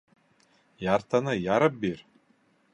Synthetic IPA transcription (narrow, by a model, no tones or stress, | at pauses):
jaɾt̪anɯjaɾɤp̚biɾ